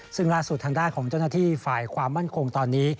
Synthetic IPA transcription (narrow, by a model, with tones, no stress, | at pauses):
sɯ˥˩ŋlaː˥˩su˨˩t̪ʰaː˧ŋdaː˥˩nkʰɔː˩˦ŋt͡ɕaː˥˩wnaː˥˩t̪ʰiː˥˩faː˨˩jkʰwaː˧mːa˥˩nkʰo˧ŋt̪ɔː˧nːiː˦˥